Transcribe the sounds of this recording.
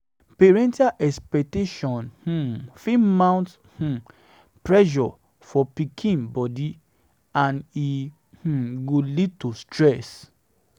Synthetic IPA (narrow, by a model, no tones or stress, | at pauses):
peɹɛ̃ntaʔɛkspɛk̚teʃɔ̃nhũfimãw̃nt | hũ | pɹɛʒɔ | fɔpikʰĩnbɔdi | ãni | hũɡolitustɹɛs